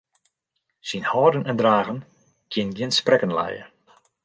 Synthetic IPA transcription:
sinhɔːrdənɛndraːɣən | kʰjɪnɡɪnsprɛkənlɛ̰jə̰

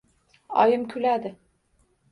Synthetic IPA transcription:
ɒ̰jɪmkʲʰylæd̪ɪ

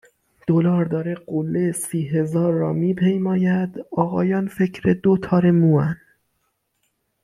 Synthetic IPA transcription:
d̪̥olɒːɾd̪ɒːɾeɢolːesiːɦe̞zɒːɾːɒ̰ːmiːpʰejmɒːjæd̪ɒːɣɒːjɒːnfe̞cʰɾed̪ot̪ʰɒːɾe̞muːæn

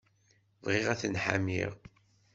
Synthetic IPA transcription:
vʁeʁæθənħa̰mḭʁ

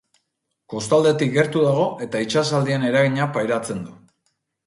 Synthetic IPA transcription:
ko̞st̪ald̪e̞t̪ik̚ɡe̞ɾt̪uðaɣ̞o̞ʔe̞t̪ait͡ʃasald̪iene̞ɾaɣiɲapajɾat͡se̞nd̪u

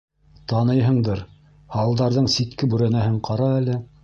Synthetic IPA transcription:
t̪ɑnɤjɦɤ̆ɴd̪ɤɾ | hɑlˠd̪ɑɾðɤɴsit̪kɘbʉɾænæɦɘɴqɑɾɑælɘ

